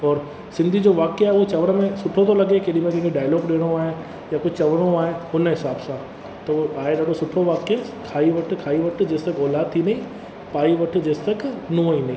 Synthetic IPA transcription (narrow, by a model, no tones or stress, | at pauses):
ɔːɾ | sɪ̃nd̪ʱid͡ʑoʋaːkeaːɦeʊt͡ɕɐʋəɽ̃əmẽsʊʈʰot̪ʰolɐɡekeɗ̃mẽkɛ̃keɖaːjlɔːɡɗeːɽ̃oaːɦe | jakʊd͡ʒt͡ɕɐʋəɽ̃oaːɦeɦʊnɦɪsaːbsã | t̪ɐoʔaːeɗɐkosʊʈʰoʋaːke | kʰaːiʋɐʈ̆ʰkʰaːiʋɐʈ̆ʰd͡ʑeːst̪ɐkɔːlaːd̪̚t̪ʰinɐĩ | paːiʋɐʈ̆ʰd͡ʑeːst̪ɐknũəinɐĩ